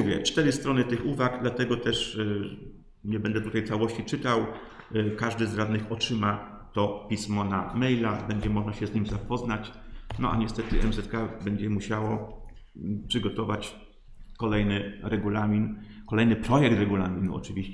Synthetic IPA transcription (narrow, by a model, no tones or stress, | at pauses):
uvʲjɛ̰t͡ʂt̪ɛɾɘst̪ɾɔnɘt̪ɘxuvaɡd̪lat̪ɛɡɔt̪ɛʂ | ɲɛbɛnd̪ɛt̪ut̪ajt̪sawɔɕt͡ɕit͡ʂɘt̪aw | kaʐd̪ɘzɾad̪nɘxɔt͡ʂɘma | t̪ɔpʲismɔnamɛjlabɛɲd͡ʑɛmɔʐnaɕɛzɲimʲzapɔznat͡ɕnɔʔa̰ɲɛst̪ɛt̪ɘʔɛ̰mzɛt̪̚kabɛɲd͡ʑɛmuɕawɔ | pʂɘɡɔt̪ɔvat͡ɕ | kɔlɛjnɘɾɛɡulamʲinkɔlɛjnɘpɾɔjɛk̚t̪ɾɛɡulamʲinṵɔ̰t͡ʂɘvʲiɕ